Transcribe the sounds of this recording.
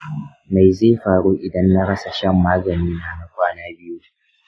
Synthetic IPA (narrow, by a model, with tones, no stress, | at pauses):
ma˨jzeː˦˨ɸaː˨ɽuː˦ʔɪ˨dɐ˦nːa˦ɽɐ˦sa˨ʃɐ˦˨mːaː˦ɡɐ˨niː˦na˨na˦kʷaː˦naː˦bɪ˦ju˦